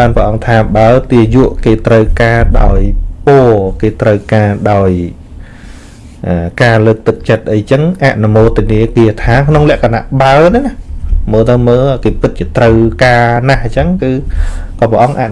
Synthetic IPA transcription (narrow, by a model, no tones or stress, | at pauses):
ɓaːnprə̆ʔɑŋt̪ʰaːɓaət̪iəjuəʔkeːt̪rəwkaːɗaɔjpoəkeːt̪rəwkaːɗaɔj | ʔəːkaːləːk̚t̪ɨk̚t͡ɕət̪̚ʔəjt͡ɕəŋʔaʔnumoːt̪ːiəniəkiət̪ʰaːkʰnoŋlɛ̆əʔkʰana̰ʔɓaənɛnahməːlt̪əwməːlʔjkeːpɨt̪̚t͡ɕiət̪rəwkaːnaht͡ɕəŋkɨːkɑːprə̆ʔɑŋʔa̰ʔ